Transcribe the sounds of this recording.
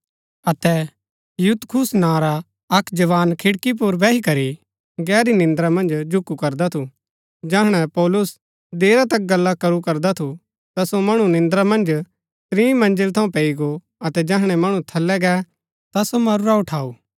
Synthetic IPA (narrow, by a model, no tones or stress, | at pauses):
ɐt̪ɛ | jut̪kʰʊsnãːɾa | ɐkd͡ʒɐʋaːnkʰɪɽkip̬ʊɾbɛːɦikɐɾi | ɡɛːɾinɪ̃nd̪ɾamɐ̃nd͡ʒd͡ʒʱʊkːukɐɾd̪at̪ʰu | d͡ʒɐɦɽ̃ɛpɔːlʊs | d̪eːɾat̪ɐk̚ɡɐlːakɐɾukɐɾd̪at̪ʰu | t̪asomɐɽ̃ũnɪ̃nd̪ɾamɐ̃nd͡ʒ | st̪ɾĩːmɐ̃nd͡ʒəlt̪ʰɐ̃ũpeːiɡo | ɐt̪ɛd͡ʒɛːɦɽ̃ɛmɐɽ̃ũt̪ʰɐlːɛɡɛː | t̪asomɐɾɾaʊʈʰaːuː